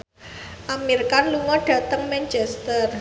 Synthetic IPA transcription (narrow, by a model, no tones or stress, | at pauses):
ʔamirkanluŋɔɖ̥ä̤t̪əŋmɛnt͡ʃɛst̪ər